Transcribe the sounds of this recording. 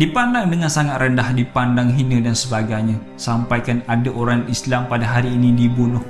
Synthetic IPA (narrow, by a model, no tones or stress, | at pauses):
dipandaŋdəŋansaŋat̪̚rəndahdipandaŋɦinədansəbaɡajɲã | sampajkanadaʔoɾaŋislampadaɦaɾiːnidibunʊh